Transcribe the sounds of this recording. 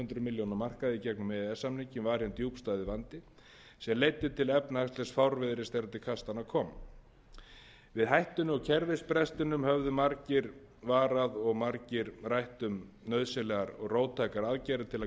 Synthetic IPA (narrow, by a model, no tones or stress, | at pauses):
ʏnt̪ɾʏmɪljownaɾmar̥kaðɪicɛknʏmɛɛsamniɲcɪmvaɾ̥jɛnt̪juwpst̪aːjðɪvant̪ɪ | sɛmlejt̪ːʏt̪ʰɪlɛpnaast̪lɛsfawɾvɪðɾɪst̪ɛɾt̪ɪkʰast̪anakʰɔːm | vɪðɦajht̪ʏnʏɔɣcʰɛɾvɪspɾɛst̪ʏnʏmhœvðʏmaɾcɪɾ | vaːɾaðɔɣmaɾcɪɾrajht̪ʏmnœɥðsɛlɛɣaɾɔɣroːwt̪ʰajkaɾaðcajɾʏðt̪ʰɪla